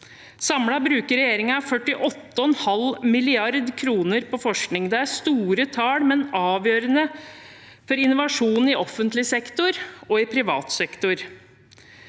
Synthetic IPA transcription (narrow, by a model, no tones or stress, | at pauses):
sɑmɽɑbɾʉːkəɾɛjeːɾɪŋɑfœʈːɪʔɔt̪ːəɔɛnhɑlmɪlɪɑɾd̪kʰɾuːnəɾpɔfɔʂknɪŋd̪ɛæɾst̪uːɾət̪ʰɑːɽmɛnɑːʋjøːɾənə | fɔɾɪnʊʋɑʂuːnn̩ɪʔɔfːənt̪lɪsɛkt̪ʊɾɔɪpʰɾɪʋɑ̰ːt̪sɛkt̪ʊɾ